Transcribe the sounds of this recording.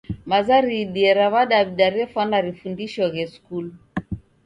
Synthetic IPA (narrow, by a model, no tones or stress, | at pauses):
mazaɾiɗiɛɾaβaɗaβiɗaɾɛfwanaɾifundiʃɔɣɛskul